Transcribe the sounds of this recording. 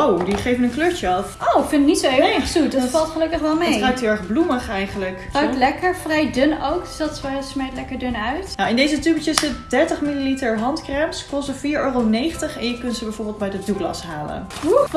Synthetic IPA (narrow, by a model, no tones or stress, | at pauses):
owdiχejvənənkløːɹt͡ʃəɑfʔowfɪndɪknitsoɪɛχsudɔfɑlˠtχəlɵkəχʋɛlˠmetrajk̚tɦɪlɛχbluməχɛjχənləkraktlɛkəɹfrɛjdønowksɑtsʋɛsmejtlɛkəɹdønœɥtnowɪndejzətybət͡ʃəsɪtdɛɹtəχmililitəɹɦɑntkrɛmskɔssəfiːɹøːrownejχəntəχɛnjəkɵntzəbɛjvoːɹbɪːlˠt̚bɛjdəduklɑ̰sɦaːlə̰nu